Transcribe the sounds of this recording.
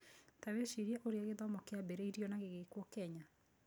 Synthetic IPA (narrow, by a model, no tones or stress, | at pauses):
taweʃiɾiɛʔoɾeaɣeðɔmɔkeabɛɾɛiɾiɔnaɣeɣekwɔkɛɲa